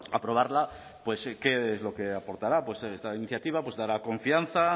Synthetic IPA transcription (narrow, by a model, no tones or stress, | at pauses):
apɾo̞β̞aɾla | pwe̞ske̞ezlo̞ke̞apo̞ɾt̪aɾapwe̞sest̪ainiθjat̪iβapwe̞zðaɾako̞ɱfian̟θa